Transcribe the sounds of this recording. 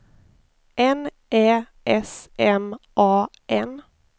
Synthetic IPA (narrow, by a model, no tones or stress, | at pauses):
ʔɛn | ʔeː | ʔɛsʔɛmʔɑː | ʔɛn